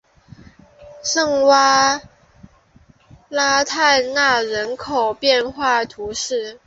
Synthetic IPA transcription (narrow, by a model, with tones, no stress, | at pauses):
ʂɤ˥˧ŋwa˥ | la˥t̪ʰa˥˧na˥˩ɻə˧˥nkʰo˨˩ʊpjɛ˥˧nxwa˥˩t̪ʰu˧˥ʂɻ̩˥˩